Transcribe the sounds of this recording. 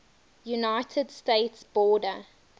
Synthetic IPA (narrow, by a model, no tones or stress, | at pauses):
junaɪtʰədsteɪtsb̥ɔːdə